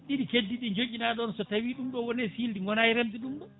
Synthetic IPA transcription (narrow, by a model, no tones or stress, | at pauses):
ɗiɗikedːiɗind͡ʒoɡʲinaːɗɔnsɔtawiːɗumɗɔwɔnɛsildiŋɡɔnajiɾemdiɗumɗɔ